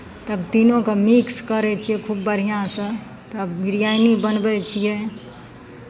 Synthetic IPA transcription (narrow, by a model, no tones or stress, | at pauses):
t̪əbt̪inõkemikskəɾɛt͡ʃʰijɛkʰubːəɾ̤ijãsə̃ | t̪əbɡiɾjajnibənbɛt͡ʃʰijɛ